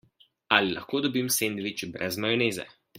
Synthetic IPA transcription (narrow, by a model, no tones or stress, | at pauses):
alila̰xkoːd̪ɔbimseːnd̪ʋit͡ʃbɾɛzmajɔneːzɛ̰